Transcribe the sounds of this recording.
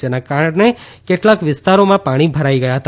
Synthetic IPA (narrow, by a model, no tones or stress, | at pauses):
d͡ʒenakaɾəɳnekeʈlãkʋɪst̪aɾomãpaɽ̃ibʱəɾaiɡəjaɦət̪a